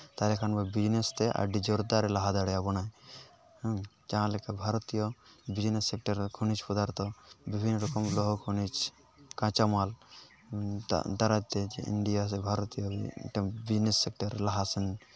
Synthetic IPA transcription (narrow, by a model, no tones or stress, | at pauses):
t̪alekʰanbɔbid͡ʒnest̪eʔa̰ɖid͡ʒɔɾd̪aɾelaɦad̪aɽeabɔnaj | d͡ʒaɦãlekebʱaɾɔt̪ijɔbid͡ʒnesːek̚ʈɐɾkʰunit͡ʃpɔd̪aɾt̪ɔbibʱinːɾɔkɔmlɔɦɔkʰunit͡ʃ | kãt͡ʃamal | d̪aɾat̪ed͡ʒeḭɳɖijas̬ebʱaɾɔt̪ijɔʈbid͡ʒnesːek̚ʈɐɾlaɦasɐn